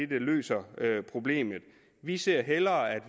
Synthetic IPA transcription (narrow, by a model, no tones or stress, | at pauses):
ed̥əlø̰ːsɐøpʰʁo̝b̥le̝̰ːmð̩ˠ | ʋise̝ɐ̰ɦelɐːæd̥ʋ